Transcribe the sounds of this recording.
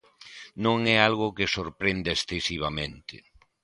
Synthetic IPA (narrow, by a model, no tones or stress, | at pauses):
nõŋɛalɣ̞ʊkɪsoɾpɾend̪esθesiβ̞amẽnt̪ɪ